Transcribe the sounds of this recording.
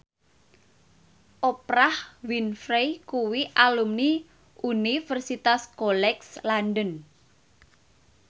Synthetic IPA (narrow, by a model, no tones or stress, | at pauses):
ʔopɾahwinfɾejkuwiʔalumni | ʔunifərsit̪askolɛkslanɖən